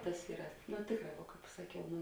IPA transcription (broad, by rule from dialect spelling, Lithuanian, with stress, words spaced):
ˈtɐs ˈiːrɐ nʊ ˈtʲeːkˌrɑː ʋuɔ ˈkɑːp sɐˈkʲɛʊ ˈnʊ